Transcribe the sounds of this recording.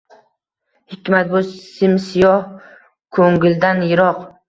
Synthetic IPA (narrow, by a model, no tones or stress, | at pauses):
hɪkʲʰmat̪̚bʊsɪmsɪjɒh | kʰoŋɡʲɪld̪anjɪɾɒq